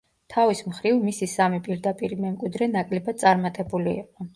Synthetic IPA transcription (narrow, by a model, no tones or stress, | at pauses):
t̪ʰavismχɾivmisisamipʼiɾd̪apʼiɾimɛmkʼwid̪ɾɛnakʼlɛbad̪t̪sʼaɾmat̪ʼɛbulḭːqʼɔ